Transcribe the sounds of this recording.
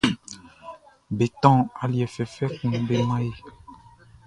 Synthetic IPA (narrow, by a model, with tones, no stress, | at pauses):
be˨t̪ɔ̃˦˨a˨li˨ɛ˨fɛ˨fɛ˦kũ˨be˨mã˦je˦